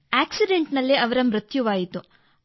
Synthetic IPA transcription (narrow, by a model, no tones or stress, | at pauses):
aːksiɖeɳʈnɐlːiɐʋɐɾɐmɾɐt̪juʋaːjit̪u